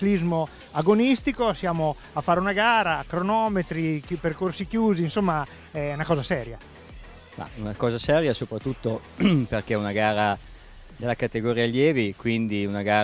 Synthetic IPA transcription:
klizmo | aɡonist̪ikosjaːmo | afːaːɾeunaɡaːɾakɾonɔːmet̪ɾiperkorsikjuːziːnsomːa | ɛunakɔːzasɛːɾja | ma̰unakɔːzasɛːɾjasopɾat̪ːut̪ːoperkeɛunaɡaːɾa | d̪elːakat̪eɡoɾialjɛːvikwind̪iunaɡaː

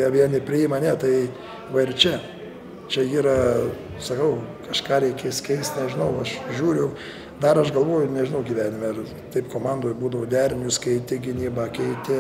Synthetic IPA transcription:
ɐʋʲiɛnʲɪpʲɾʲɪɪmɐnʲɛt̪ɐɪ | ʋɐɪɾt͡ʃʲɛ | t͡ʃʲɛiːɾɐ | sɐkɐʊkɐʃkɑːɾʲɛɪkʲeːskʲɛɪsʲt̪ʲnʲɛʒʲɪnɐʊɐʃʒʲuːɾʲɛʊ | d̪ɐɾɐʃɡɐlˠʋoːjʊnʲɛʒʲɪnɐʊɡʲiːʋʲæːnʲɪmʲɛr | t̪ɐɪpkoːmɑnd̪oːjbuːd̪ɐʋoːd̪ʲæɾʲmʲjʊskɐɪt̪ʲɪɡʲɪnʲiːbɐkʲɛɪt̪ʲɪ

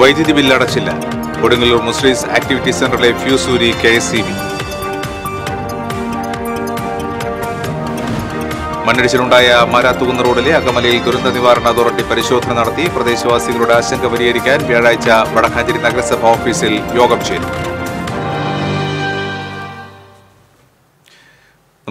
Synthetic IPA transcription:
ʋɐjd̪jɐðibilːɐɽɐt͡ɕːilːɐ̰ | koɽuŋːiɭumusliːsa̰ːk̚ʈiʋitːisenɖɐrile̞fjuːsuːɾikeesimi | mɐnːiɽit͡ɕːɐluɳɖaːjɐmaɾaːt̪ːuɣunːɐroːɽileɐɡɐmɐlɐjilɡ̪uɾund̪ɐniʋaːɾɐɳɐt̪urɐʈːipɐɾiɕo̞ːd̪ʱɐnɐnɐɽɐt̪ːiprɐd̪e̞ːɕɐʋaːsiɣɐɭuɽe̞aːɕɐŋɡʰɐpɐɾijɐɾikʲːaːnʋjaːɻaːjit͡ɕːɐʋɐɽɐkʰaːɲd͡ʑɐɾinɐɡɐɾɐsɐbʱaoːfiːsiljo̞ːɡɐmt͡ɕḛːlṵ

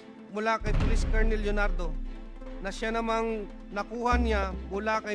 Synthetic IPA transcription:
mʊlakɐjpʊliskaɹnɛljonaɾd̪o | nɐʃanɐmaŋ | nɐkuːhanɪjamʊlakɐ

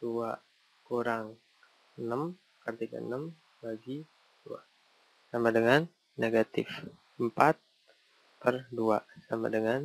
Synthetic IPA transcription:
d̥ua | kuɾaŋ | ənəm | kərt̪iɡa̰nəm | baɡi | d̥ua̰ | samadəŋanː | eɡat̪ɪf | əmpat̪̚ | pərdua̰sama̰dəŋan

